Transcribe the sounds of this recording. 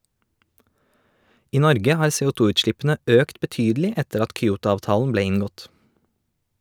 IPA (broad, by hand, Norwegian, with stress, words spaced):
ˈiː ˈnɔɾɡə ˈhɑːɾ seːuːˈtuːʉːtˌʃlɪpn̩ə ˈøːkt bəˈtyːdlɪ ˈɛtəɾ ˈɑt kʏˈuːtʊɑːʋˌtɑːln̩ ˈbleː ˈɪŋɡɔt